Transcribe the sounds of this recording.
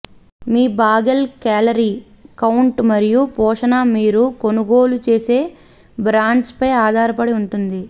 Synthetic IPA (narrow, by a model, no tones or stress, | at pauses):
miːbaːɡɐlkaːlɐɾiː | kɐwuɳʈmɐɾijupɔːʂɐnɐmiːɾuko̞nuɡo̞ːlut͡ʃe̞ːse̞ː | bɾaːɳɖspɐjaːd̪ʱaːɾɐpɐɽiuɳʈund̪i